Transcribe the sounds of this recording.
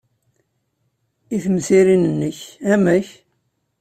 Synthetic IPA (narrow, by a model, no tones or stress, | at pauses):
iθmsiɾinənːəçæmæç